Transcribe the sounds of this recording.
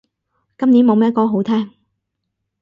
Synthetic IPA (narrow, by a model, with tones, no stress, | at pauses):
kɐ˥mni˨˥nmo˨˧wmɛː˥t̚kɔː˧ɦo˨˥wt̪ʰɛː˥ŋ